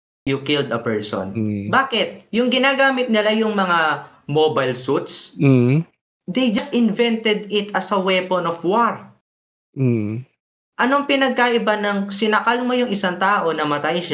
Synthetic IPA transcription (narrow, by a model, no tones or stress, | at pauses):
jʊkɪld̪ɐpɛɹso̰nbaːkɪt̪̚jʊŋɡɪnaːɡaːmɪt̪̚nɪlajʊŋmɐŋa | mobajlsut̪̚s̩ | d̪ejd͡ʒɐst̪ʔɪnvɛnt̪ɛd̪ɪt̪ʔɐsɐwɛponofwaɹ̩ | ʔɐnoŋpɪnɐɡ̚kaʔɪbanɐŋsɪnɐkalmo̞jʊŋʔɪsaŋt̪aːʔo̞nɐmɐt̪ajʃa